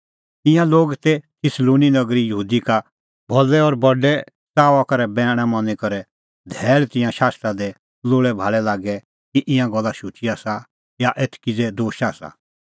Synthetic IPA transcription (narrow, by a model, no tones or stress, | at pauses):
ɪ̃jãloːɡt̪ɛt̪ʰɪsloːninɐɡɾijəɦuːd̪ika | bʱɔlɛɔːɾbɔɖɛ | t͡saːʋakɐɾɛbɛːɽ̃ɛmɔ̃nĩkɔɾɛ | d̪ʱɛːlt̪ɪ̃jãʃaːst̪ɾad̪ɛ | loːɭɛbʱaːɭɛlaːɡɛ | kiʔɪ̃jãɡɔlːaʃut͡ʃiaːsa | jaʔet̪ʰkid͡zɛd̪oːʃaːsa̰